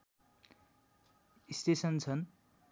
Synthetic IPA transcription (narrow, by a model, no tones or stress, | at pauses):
ist̪esʌnt͡sʰʌn